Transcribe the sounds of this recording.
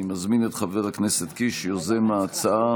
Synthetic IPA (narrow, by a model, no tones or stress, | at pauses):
imazminet̪χaveʁakneset̪kiʃjozemaːt͡saa